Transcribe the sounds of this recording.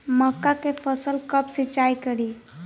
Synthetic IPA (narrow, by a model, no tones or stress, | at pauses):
məkːakefʰəsəlkəbsɪt͡ʃaːikəɽi